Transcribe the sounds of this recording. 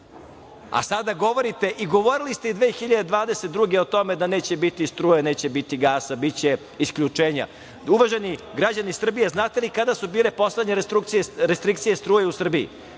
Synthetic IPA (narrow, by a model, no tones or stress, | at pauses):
a̰sad̪aɡo̞ʋo̞ɾit̪e̞ʔiɡo̞ʋo̞ɾilist̪eid̪ʋeːxiʎad̪ed̪ʋaːd̪e̞set̪̚d̪ɾuɡeo̞t̪o̞med̪aneːt͡ɕebit̪ist̪ɾuːjene̞ːt͡ɕebit̪iɡaːsabit̪t͡ɕe | iskʎut͡ʂeːɲa̰ | uʋaʒe̞niɡɾad͡ʑanisr̩bijeznaːt̪e̞likad̪asubiːlepo̞sle̞d̪ɲeɾɾukt̪sieɾest̪ɾikt̪sijest̪ɾuːjeusr̩biḭ